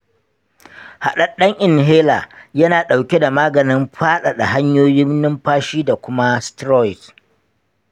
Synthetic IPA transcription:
ha˨ɗɐ˦ɗɐ˦ŋʔɪ˨nɦeː˦laː˨jɐ˦naː˨ɗa˨wkʲe˦da˨maː˦ɡɐ˨nɪ˦mɸaː˦ɗa˨ɗa˨ɦa˦ɲjoː˦jɪ˦mnɪ˦mɸaː˦ʃiː˦da˨kʷʊ˦ma˦stɾɔ˦ɪ˨k

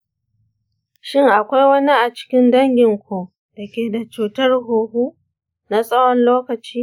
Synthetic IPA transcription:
ʃɪ˦ŋʔa˨kʷa˦jwɐ˦ni˦ʔa˨t͡ʃɪ̥˦kʲɪ˦ndɐ˦ŋɡʲɪ˨ŋkʷoː˨ | d̥ɐ˨kʲeː˨da˨t͡ʃuː˨tɐ˦rɦoː˨ɦuː˦ | na˦sʼɐ˦wɔ˦nloː˦kɐ˨t͡ʃiː˦

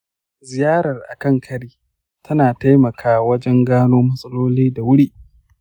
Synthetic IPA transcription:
zɪ˨jaː˦ɾɐ˨rʔa̰˨kɐ˦˨ŋkʰɐ˦ɽiː˦ | tʰɐ˦naː˨ta˦jmɐ˨kʰaː˦wɐ˦d͡ʒɛ˦ŋɡaː˦noː˦mɐ˦sʼɐ˦loː˦liː˦da˨wʊ˦ɽiː˦

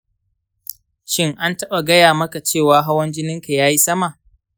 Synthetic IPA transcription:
ʃɪ˦ŋʔa˦ntɐ˦ɓa˨ɡɐ˦jaː˨mɐ˦ka˨t͡ʃeː˦˨waː˦ɦa˦wɐ˦nd͡ʒɪ˦nɪ˦ŋka˨jaː˦ji˦sɐ˦ma˨ʔ

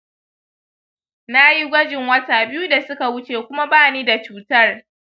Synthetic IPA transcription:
na˦ji˦ɡʷɐ˦d͡ʒɪ˨ŋwɐ˦taː˨bɪ˦ju˦da˨sʊ˦ka˨wʊ˦t͡ʃeː˨kʷʊ˦ma˦baː˦˨niː˦da˨t͡ʃuː˦tɐ˦r

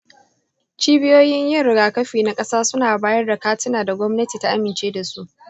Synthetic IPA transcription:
t͡ʃiː˦bɪ˦joː˦jɪ˦ɲjɐ˦ɽɪ˨ɡaː˨kɐ˦ɸiː˨na˦kʼɐ˦saː˦sʊ˦naː˨baː˦jɐ˦rda˨kaː˦tɪ˦naː˨da˨ɡʷɔ˦mnɐ˦tiː˨ta˦ʔa˦mɪ˨nt͡ʃeː˦da˨su˦ʔ

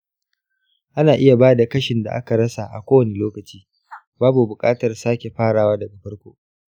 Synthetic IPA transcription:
ʔa˦naː˨ʔɪ˦ja˨baː˦da˨kɐ˦ʃɪ˨nda̰˨ʔa̰˦ka˨ɾɐ˦sa˨ʔa̰˨kʷoː˦wɐ˨ne˦loː˦kɐ˨t͡ʃiː˦ | baː˦bu˨bʊ˨kʼaː˦tɐ˨rsaː˦kʲe˨ɸaː˦ɽaː˨waː˦dɐ˨mɐ˨ɸɐ˦rkʷo̰ː˦ʔ

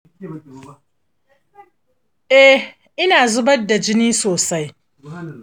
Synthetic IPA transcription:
ʔɛ˦ | ʔɪ˦naː˨zʊ˦bɐ˦dːa˨d͡ʒɪ˦niː˦soː˨sa˦j

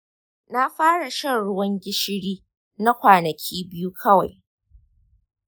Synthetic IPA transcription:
na˦ɸaː˦ɽa˨ʃɐ˦˨nɽʊ˦wɐ˦ŋɡʲɪ˦ʃɪ˦ɽiː˦ | na˦kʷaː˨nɐ˨kʲʰiː˦bɪ˦ju˦kʰɐ˦wa˨j

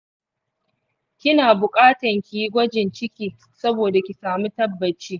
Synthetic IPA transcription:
kʲɪ˦naː˨bʊ˨kʼaː˦tɐ˨ŋkʲi˨ji˦ɡʷɐ˦d͡ʒɪ˨nt͡ʃɪ˦kʲiː˨ | sɐ˦boː˨da˨kʲi˨saː˨mu˦tɐ˦bːɐ˨t͡ʃːiː˦

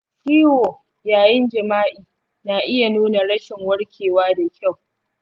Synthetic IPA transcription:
ʃiː˦woː˨ | jaː˨jɪ˦nd͡ʒɐ˨maː˦ʔiː˨ | naː˨ʔɪ˦ja˨nuː˦na˨ɽɐ˦ʃɪ˨ŋwɐ˦ɽkʲʰeː˨waː˦da˨kʲʰa˦˨w

